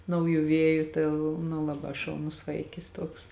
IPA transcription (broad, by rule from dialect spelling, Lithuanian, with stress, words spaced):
ˈnɐʊˌjuː ˈʋʲiɛjʊ ˈtɐɪ lˠ nʊ ˈlˠɑːˌbɑː ʃɐʊˈnʊs ˈʋɐɪkʲɪs ˈtuɔks